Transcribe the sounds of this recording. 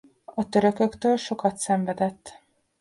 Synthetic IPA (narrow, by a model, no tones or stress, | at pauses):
ɒt̪ø̞ɾø̞kø̞kt̪øːlʃo̞kɒt̪sɛɱvɛd̪ɛt̪ː